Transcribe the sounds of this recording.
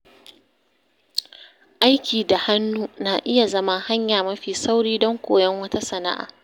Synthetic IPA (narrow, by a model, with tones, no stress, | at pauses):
ʔa˦jkʲiː˨da˨ha˦nːuː˦na˨ʔɪ˦ja˨zɐ˦ma˦ha˦ɲjaː˨mɐ˦ɸiː˨sa˦wɽiː˦dɔ˦ŋkʷoː˨jɐ˦ŋwɐ˦ta˦sɐ˨na̰˦ʔa̰ː˨